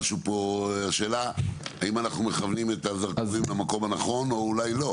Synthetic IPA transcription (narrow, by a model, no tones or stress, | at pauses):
ʃupo̞aʃe̞ːlaaimanaχnumeχavnimet̪azaʁazuimlamako̞mhanaχo̞no̞ulajlo̞